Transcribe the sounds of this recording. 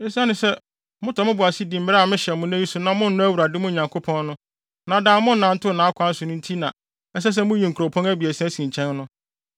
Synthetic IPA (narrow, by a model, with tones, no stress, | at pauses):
ɪ̃˦sã˦nɪ̃˨sɛ˦ | mʊ̃˦tʰɔ˨mʊ̃˦bʊ˨a˨si˦di˨m̩˨mɪ˦ɾɛ˦a˨mɪ̃˦ɕɛ˨mʊ̃˦n˦æ̃˦ji˦sʊ˨nã˨mʊ̃˦n̩˦nʊ̃˦æ˦wu˨ɾa˨dɪ˦mʊ̃˦˨ɲã˨ŋkʰo˦pʰɔ̃˦nnʊ̃˦ | nã˨dãː˨mʊ̃˦n̩˨nã˨n̩˦tʰʊ˦˨nã˨˦a˦kʰʷã˦n̩˦sʊ˨nʊ̃˦n̩˦tʰi˦nã˨ | ɛ˦s̬ɛ˦s̬ɛ˦mʊ̃˦ji˨ŋ̩˨kʰu˨ɾo˨pʰɔ̃˦ŋæ˦bi˨ɛ˨sɛ̃˦sĩ˨ɲ˨t͡ɕʰɛ̃˦nnʊ̃˦